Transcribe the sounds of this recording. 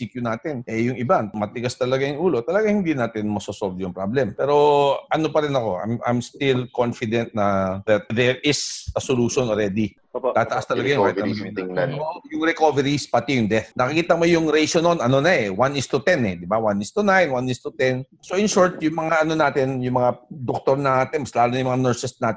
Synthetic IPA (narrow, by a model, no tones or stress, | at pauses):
sikjʊnaːt̪ɪnʔɛjʊŋɪbamɐt̪ɪɡast̪ɐlɐɡajʊŋʔuːlo̞t̪ɐlɐɡaŋhɪnd̪inaːt̪ɪnmɐsosolvjʊŋpɾablɛmpɛːɾo̞ʔɐno̞pɐɾɪnɐko̞ʔa̰jmʔa̰jmst̪ɪlkonfɪd̪ɛnt̪̚nɐðɐt̪̚ðɛɹʔɪsɐsoluːʃonʔoɾɛːd̪i | t̪aːt̪ɐʔast̪ɐlɐɡajkaːhɪtɐɡɐmɪnjʊŋɾɛkovɛɾispɐt̪ijʊŋd̪ɛθnɐkɪkiːt̪ɐmojʊŋɾejʃononɐno̞nɐɛwanɪst̪ʊt̪ɛnɛd̪ɪbawanɪst̪ʊnajnwanɪst̪ʊt̪ɛn | soʔɪnʃuɹt̪jʊŋmɐŋaʔɐnonaːt̪ɪnjʊŋmɐŋad̪ok̚t̪oɾnaaːt̪ɪnmɐslaːlʊnɐjʊ̃mɐŋanɛɹsɛsnaːt̪ɪ